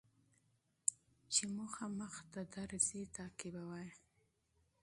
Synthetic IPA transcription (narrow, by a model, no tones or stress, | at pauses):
t͡ʃemuxaməxt̪ad̪aɾzet̪ɑkɪbawaj